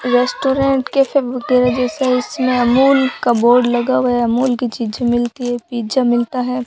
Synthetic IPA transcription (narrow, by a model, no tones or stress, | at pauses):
ɾeːsʈoːɾẽʈkefebkeɾɐd͡ʒɛsɛɪsmẽɐmuːlkaboːɾɖlɐɡaʋɛɐmuːlkit͡ʃiːd͡ʒamɪlt̪iɦɛpiːd͡ʒamɪlt̪aɦɛː